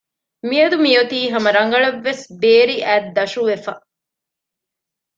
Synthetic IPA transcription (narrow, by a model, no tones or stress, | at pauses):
miɐd̪umijot̪iːɦɐmɐɾɐŋɡɐɭɐʋːesbeːɾiʔæːd̪ːɐʃuʋefɐ